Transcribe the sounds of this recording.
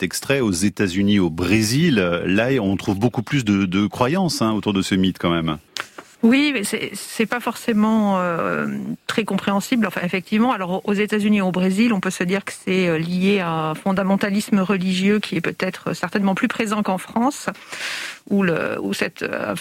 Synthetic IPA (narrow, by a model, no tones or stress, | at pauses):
ɛkst̪χɛozet̪azyniobʁezilølaeɔ̃t̪χuvbokuplys̬d̪əd̪əkχwajɑ̃sɛ̃ot̪uʁd̪əsəmit̪kɑ̃mɛm | wisɛ̰sɛpafɔʁsemɑ̃ø̰ | t̪χɛkɔ̃pχeɑ̃siblɑ̃fɛ̰̃efɛk̚t̪ʰivmɑ̃alɔʁozet̪azyniobʁezilɔ̃pøsəd̪iʁkə̥sɛølijeaɛfɔ̃d̪amɑ̃t̪alisməʁəliʒjøkʲʰiɛpøt̪ɛt̪χø̰sɛʁt̪ɛnmɑ̃plypχezɑ̃kɑ̃fχɑ̃s | ulə̰ṵsɛt̪ʰø̰